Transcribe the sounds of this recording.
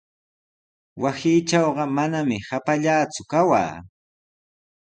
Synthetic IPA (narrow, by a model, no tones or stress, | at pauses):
wasiːʈ͡ʂɑwɢɑmanamɪhapaʎaːt͡sʊkawa̰ː